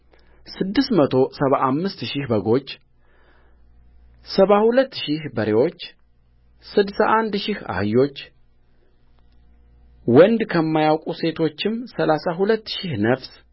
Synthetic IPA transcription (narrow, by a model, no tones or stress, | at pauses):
sɨd̪ːɨst̪mət̪ʰo̞səβaʔamːɨst̪ʃɪhbəɡo̞t͡ʃː | səβahulət̪ːʃɪhbəɾewo̞t͡ʃː | sɨd̪saʔand̪ʃɪha̰hɨjːo̞t͡ʃː | wɔnd̪kʰəmːajawkʼuse̞t̪ʰo̞t͡ʃːɪmsəlasaɦulət̪ːʃihnəfs